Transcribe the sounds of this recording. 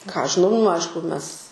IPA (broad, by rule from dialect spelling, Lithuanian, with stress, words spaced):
kɑː ˈɐʃ ʒʲɪˈnɐʊ nʊ ˈɐɪʃkʊ ˈmʲɛs